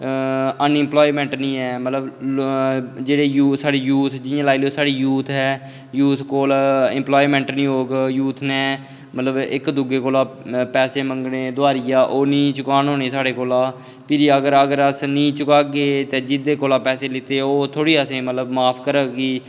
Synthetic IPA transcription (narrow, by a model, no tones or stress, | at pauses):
ənɪmploːimɛ̃ːɳʈnĩːɛːmət̪ləb | d͡ʒeːɽeːjuːsaːɽiːjuːt̪ʰd͡ʒɪjãːlaːilioːsaːɽiːjuːt̪ʰɦɛː | juːt̪ʰkoːlɪmploːimɛ̃ːɳʈnĩːɦoːɡjuːt̪ʰnɛ̃ː | mət̪ləbɪ̰kd̪ʊɡeːkoːlaːpɛːseːməŋɡneːd̪ʊaːɾijaːʔoːnĩːt͡ʃʊkaːnɦoːneːsaːɽeːkoːlaː | pʰɪɾəɡəɾəɡəɾəsniːt͡ʃʊkaːɡeːt̪ɛ̃ːd͡ʒɪd̪eːkoːlaːpɛːseːlɪt̪eːoːt̪ʰoːɽiːəsẽːmət̪ləbmaːpʰkəɾəːɡiː